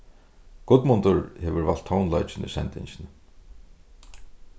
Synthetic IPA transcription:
kʊt̪mʊnt̪ʊɹhɛʋɪɾval̥t̪ʰːawnla̰jt͡ʃɪnɪ̰sɛnt̪ɪnt͡ɕɪnɪ

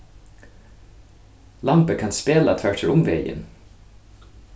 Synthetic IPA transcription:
lɑmpəkʰɑnspeːlat̪ʰʋæʈʰəɹʊmʋeɪə̰n

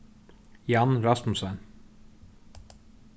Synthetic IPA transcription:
jɑːnɹɑsmʊsɑn

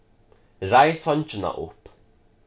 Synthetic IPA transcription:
ɾajsɔnt͡ʃəna̰ʔʊ̰p

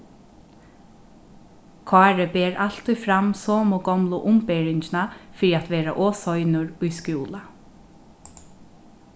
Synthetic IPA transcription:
kʰɑːɾəbeːɹʔaɬt̪ufɾamsɔːmɔɡɔmlʊʔʊmpeːɹɪɲt͡ʃɪnafɾiːat̪ʋeːɾa̰ʔoːsɔjnʊɹujskuːla

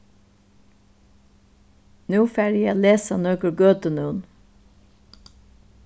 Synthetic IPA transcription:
nʉːfæɾjaleːsɑnøːkəɡøːt̪ənʉn

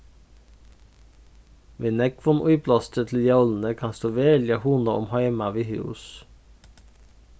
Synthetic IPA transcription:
ʋeːnɛkfɔnʔʉʏpʰlɑst̪ʰət̪ʰl̩jɑʉln̩əkʰɑnst̪uːʋeːljɑhuːnɑʔɔ̰mhɑʏmɑʋiːhʉ̰ːs

